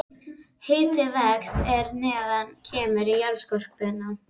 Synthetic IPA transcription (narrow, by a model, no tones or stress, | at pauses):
hɪːt̪ɪvɛkst̪ɛɾnɛːðancʰɛːmɪɾijœɾskɔr̥k̚pɪna